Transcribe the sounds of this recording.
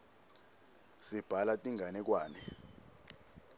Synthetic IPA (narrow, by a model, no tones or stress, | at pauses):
sib̥ʱalatʼiŋʱanɛk̬waːnɛ